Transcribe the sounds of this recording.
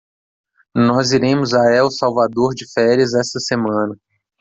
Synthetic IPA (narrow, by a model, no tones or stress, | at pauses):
nɔziɾẽmʊzaɛʊsawvad̪oɾd͡ʒɪfɛɾiɐzɛst̪ɐsemɐ̃nɐ